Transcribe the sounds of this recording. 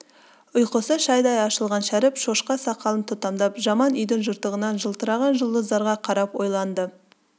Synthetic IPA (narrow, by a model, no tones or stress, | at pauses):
ʊjqəsəʃɑjd̪ɑjɑʃəlˠʁɑnʃæɾɪpʃoʃqɑsɑqɑlˠənt̪ʰʊt̪ɑmd̪ɑpʒɑmɑnʏjd̪ɪŋʒʊɾt̪əʁənɑnʒəlˠt̪əɾɑʁɑnʒəlˠd̪əzd̪ɑɾʁɑqʰɑɾɑpwo̞jlˠɑnd̪ə